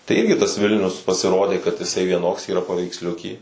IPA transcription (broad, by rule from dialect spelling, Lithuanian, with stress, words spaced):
tɐɪ ˈɪrʲɡʲɪ tɐs ˈʋʲɪlʲnʲʊs pɐsʲɪˈroːdʲeː kɐt ɪˈsɐɪ ʋʲiɛˈnoːks iːˈrɐ pɐʋʲɛɪksʲˈlʲʊkʲiː